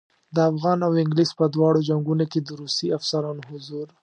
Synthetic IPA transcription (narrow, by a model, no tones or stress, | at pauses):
d̪əafɣɑnawɪŋɡlispəd̪wɑɽod͡ʒaŋɡunoked̪əɾusiafsaɾɑnohʊzuɾ